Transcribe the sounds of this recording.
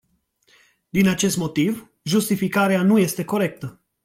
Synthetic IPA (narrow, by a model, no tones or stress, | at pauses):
d̪inat͡ʃe̞st̪mo̞t̪iv | ʒust̪ifikaɾeanuje̞st̪e̞ko̞ɾe̞k̚t̪ə